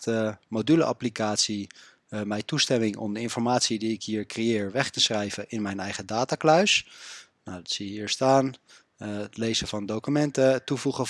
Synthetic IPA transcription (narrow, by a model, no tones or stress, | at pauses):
təmowdyləʔɑ̰plikaːtsi | mɛjtustɛmɪŋɔ̰mdəɪnfɔɹmaːtsidiɪkɦiːɹkrejɪːɹʋɛχtəsχrɛjvəʔɪnmɛjnɛjχədaːtaːklœɥs | nawdɑtsiɦiːɹstaːn | tlejzəvɑndowkymɛntətuvuχə